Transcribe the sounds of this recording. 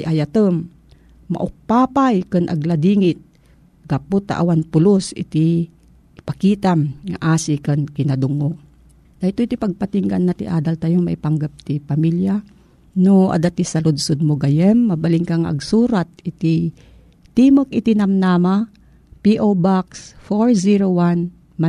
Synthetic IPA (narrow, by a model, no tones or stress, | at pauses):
jʔajat̪əmː | a̰ʔʊk̚paːpajkɨnʔa̰ɡlad̪iŋɪt̪̚ | ɡapʊt̪a̰ʔawanpʊlosɪ̰t̪i | pakiːt̪amŋa̰ʔaːsikɨnkɪnad̪ʊŋo | d̥̪ahɪt̪oit̪ipaɡ̚pat̪iŋɡa̰nːat̪ɪ̰ʔaːd̪alt̪ajoŋma̰ʔipaŋɡap̚t̪ipamilja | noʔa̰d̪at̪isɐlʊd̪sod̪̚moɡɐjɛmːɐbɐlɪŋkaŋʔɐ̰ɡsuːɾat̪̚ɪt̪i | t̪iːmək̚ɪt̪inɐmnaːma | piʔobaksfoɹsiɾowan | ma